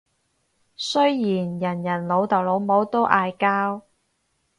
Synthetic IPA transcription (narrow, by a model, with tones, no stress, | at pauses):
sɵ˥ɥjiː˨˩njɐ˨˩njɐ˨˩nlo˨˧wt̪ɐ˨˩wlo˨˧wmo˨˥wt̪o˥wʔaː˧jkaː˥w